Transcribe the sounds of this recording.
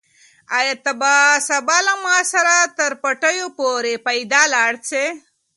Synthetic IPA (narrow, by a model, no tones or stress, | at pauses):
ajat̪abasɐbaːlamaːsɐɾat̪əɾpɐʈəjopoɾepajd̪alaːɽt͡se